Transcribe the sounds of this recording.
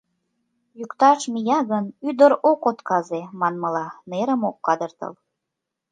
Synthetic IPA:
jukt̪ɑʃmijɑɣənyd̪əɾokot̪kɑzemɑnməlɑneɾəmokːɑd̪ərt̪ə̰l

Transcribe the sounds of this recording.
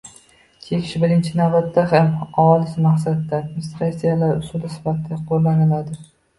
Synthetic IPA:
kʲʰekʲɪ̥ʃbɪɾɪnt͡ʃʰɪnavbat̪ʰːahamaɒlˠɪsɪmaχsat̪ːaad̪mɪnɪst̪ɾasijalaɾʊsulˠɪsɪ̥fat̪ʰɪd̪aqʰolːanɪlad̪ɪ

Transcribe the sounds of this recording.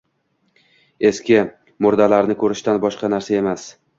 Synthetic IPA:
e̞skʲɪ | mʊɾd̪alaɾnɪkʰɵɾɪʃt̪anbɒʃqɑnaɾsae̞mas

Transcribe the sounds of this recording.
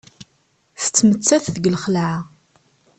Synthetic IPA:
θə̥t͡sːmət͡sːæθðəɡlχəlʕa

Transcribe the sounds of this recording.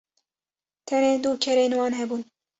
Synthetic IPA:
t̪ʰɛneːd̪uːkʰɛɾeːnwɑːnɦɛbuːn

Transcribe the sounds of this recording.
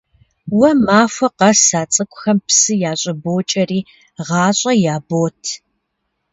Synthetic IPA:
wɐmaːfʷɐqɐsaːt͡sʼɨkʷʼʊxɐmpsɨjaːɕʼɐboːt͡ʃʼɐriː | ʁɑːɕʼɐjaːboːtʰ

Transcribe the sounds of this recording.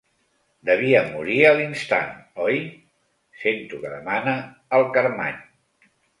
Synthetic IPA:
d̪əβiəmuɾiəlinst̪a̰nɔj | sent̪ukəðəmanə | əlˠkəɾma̰ɲ

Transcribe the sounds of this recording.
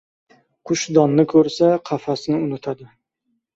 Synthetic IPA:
qʰʊʃd̪ɒnːɪkʰɵɾsaqʰɑfasɪnɪʊnɪt̪ʰad̪ɪ

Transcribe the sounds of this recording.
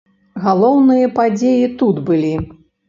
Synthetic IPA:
ɣalˠɔwnɨjɐpad͡zʲejit̪ud̪bɨlʲi

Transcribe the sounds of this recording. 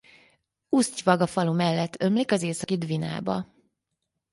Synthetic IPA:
uscʋɒɡɒfɒlumɛlːɛt̪ːʰø̞mlikɒzeːsɒkid̪vina̰ːbɒ̰

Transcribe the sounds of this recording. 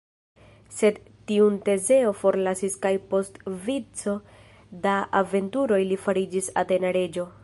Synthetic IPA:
se̞d | tiunte̞ze̞o̞fo̞ɾlasiskajpo̞stvit͡so̞ | daave̞ntuɾo̞jlifaɾid͡ʒisate̞naɾe̞d͡ʒo̞

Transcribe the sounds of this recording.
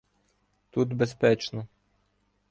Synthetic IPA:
t̪ut̪bespɛt͡ʃnɔ

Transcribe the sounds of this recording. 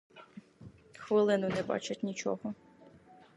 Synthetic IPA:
xʋɪlˠɪnʊnɛbɑ̰t͡ʃɪtʲnʲit͡ʃɔ̰ɦɔ

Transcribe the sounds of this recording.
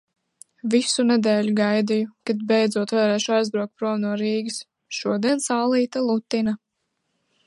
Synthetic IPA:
visunɛd̪ɛːlʲuɡajd̪ijukad̪bɛjd̪zuɔt̪vaɾɛːʃuajzd̪ɾuɔk̚t̪̚pɾuɔvnuɔɾiːɡɨs | ʃuɔd̪iɛnsaːlˠiːt̪alˠut̪ːina

